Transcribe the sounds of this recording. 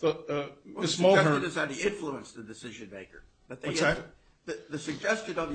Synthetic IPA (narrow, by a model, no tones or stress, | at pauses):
ðəʌɪsmoʊɦɜ̃˞ɨ̃nɨzɨðiɪ̃ɱfluə̃nsðɨdɨsɪʒɨ̃nmeɪkə̰˞ | b̥ʌt̪̚ðeɛ | ðɨðɨsɨɡ̚d͡ʒɛst͡ʃɨ̃nʌv